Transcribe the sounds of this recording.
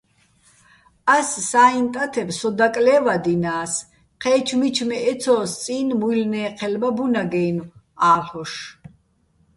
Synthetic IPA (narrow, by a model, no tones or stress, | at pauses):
asːaːint̪ʼat̪ʰɛbsɔd̪akʼlɛːvad̪inaːs | qʰɛːt͡ʃʰmit͡ʃʰmɛɛt̪sʰɔːst͡sʼiːnmuilnɛːqʰɛlmabunaɡɛːnu | aːlχɔʃ